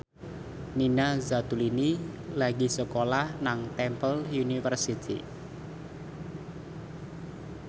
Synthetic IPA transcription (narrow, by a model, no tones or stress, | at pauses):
ninazat̪ulinilaɡi̤səkolahnaŋt̪ɛmpəljunifərsit̪ʰḭ